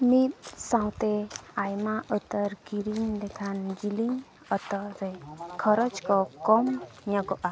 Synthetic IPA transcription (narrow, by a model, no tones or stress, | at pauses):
mit̪̚sãwt̪eajmaʔət̪əɾɡiɾiŋd̪ɛkʰand͡ʒiliŋ | ət̪ɔɾejkʰɔɾɔd͡ʒkɔkɔmɲɔɡɔʔa